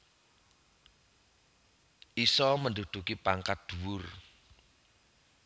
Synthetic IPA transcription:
ʔisɔmənd̪o̤d̪̥ṳkipaŋkat̪̚d̪̥ṳwʊr

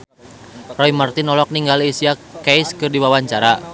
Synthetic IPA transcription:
rɔimart̪inɔlɔk̚niŋɡalisiakɛjskɨrdiwawaɲt͡ʃaɾa

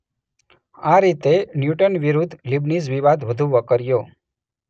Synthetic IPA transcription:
aɾit̪enjuʈənʋiɾud̪ʱlibnizʋiʋad̪ʱʋəd̪ʱũʋəkəɾjo

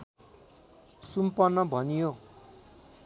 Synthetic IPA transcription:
sumpʌnːʌbʱʌnijo

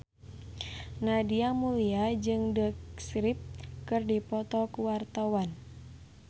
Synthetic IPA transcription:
nadiamuliad͡ʒɨŋdəksɾip̚kɨrdipɔt̪ɔkuwart̪awan

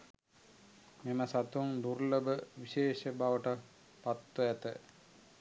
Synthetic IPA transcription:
meməsat̪uŋd̪urləbəʋiɕeːʃəbaʋəʈə | pat̪ːəæt̪ə

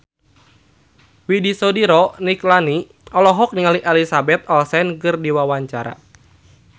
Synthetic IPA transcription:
widisɔdiɾɔniklani | ɔlɔɦɔk̚niŋaliʔɛlisabɛt̪̚ɔlsɛnkɨrdiwawaɲt͡ʃaɾa̰

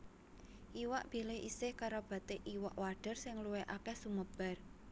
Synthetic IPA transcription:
ʔiwa̰ʔb̥ilɪhʔḭsɪhkaɾob̥a̤t̪eʔiwa̰ʔwaɖ̥ə̤rsɪŋluwɛʔakɛhsuməb̥a̤r

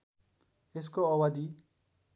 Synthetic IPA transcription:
eskoʌwad̪i

